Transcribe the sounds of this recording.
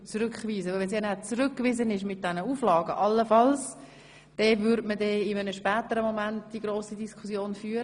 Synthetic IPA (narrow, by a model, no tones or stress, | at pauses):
t͡suɾʏkʋiːzəʋɪlʋɛns̬jɛnæt͡sɾʏkːʋɪzənɪʃmɪt̚d̥ɛnəuːflɑːɡə̰ʔɑlːəfɑls | d̥ɛvʏɾdmədɛːɪmənəʃpɛːtəɾəmomæntd̥iɡɾoːsidiskʰusjoːnfyːɾə